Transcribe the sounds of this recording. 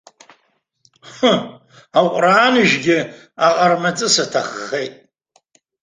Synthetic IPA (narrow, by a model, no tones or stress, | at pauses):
aqʷʼraːnɨʒɡʲɪ | aqʼarmat͡sʼɨsatʰaχːejtʼ